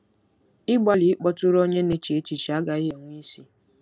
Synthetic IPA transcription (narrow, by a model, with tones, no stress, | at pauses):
ɪ˦ɡ͡ba˨lɪ˨˦ɪ˦k͡pɔ˦tʊ˦ɾo˦ɲe˦ne˦t͡ʃi˨e˦t͡ʃi˨t͡ʃi˨a˦ɡa˨ɪ˦ɦe˨ŋʷi˦si˦